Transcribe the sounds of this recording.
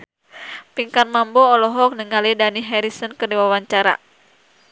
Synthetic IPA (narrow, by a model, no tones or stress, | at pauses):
piŋkanmambɔːlɔɦɔk̚nəŋalidaniɦɛɾisənkərdiwawaɲt͡ʃaɾa̰